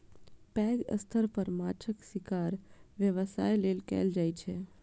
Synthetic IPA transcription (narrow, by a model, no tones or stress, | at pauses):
pɛːɡə̰st̪ʰəɾpəɾmaːt͡ʃʰəksikaːɾʋjəʋəsaːjleːlkɛ̰ːld͡ʒaːjt͡ʃʰe